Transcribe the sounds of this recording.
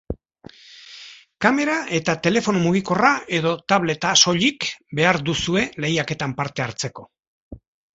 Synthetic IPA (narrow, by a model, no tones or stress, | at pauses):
kame̞ɾaʔe̞t̪at̪e̞le̞fo̞nomuɣ̞iko̞rae̞ðo̞t̪aβle̞t̪aso̞ʎikbe̞aɾd̪usue̞le̞jake̞t̪ampaɾt̪e̞aɾt͡se̞ko̞